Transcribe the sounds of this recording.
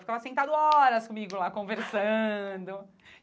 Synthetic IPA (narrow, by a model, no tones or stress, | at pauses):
fi̥kavɐsẽnt̪ad̪ʊɔɾɐskõmiɡʊlakõveɾsɐ̃d̪ʊ